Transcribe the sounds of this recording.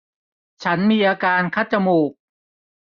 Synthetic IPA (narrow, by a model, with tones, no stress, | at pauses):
t͡ɕʰa˦˥nmiː˧ʔaː˧kaː˧nkʰa˦˥˩t̪̚t͡ɕa˧muː˨˩k̚